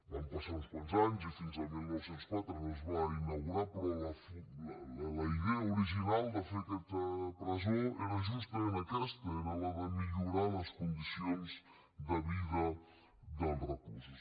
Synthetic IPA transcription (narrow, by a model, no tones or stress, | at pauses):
ampasamuspɔlzaɲzifinzalmilˠnɔwsenskwat̪ɾənozβainaɣuɾapɾɔlɐfilalalaiðɛauɾiʒinalˠd̪afekɛst̪ɐpɾazoɛɾaʒust̪ɐmenɐkɛst̪ɐɛɾalaðəmiʎuɾalɐskund̪isjonz | ðɐβiðɐ | ðalrəkusus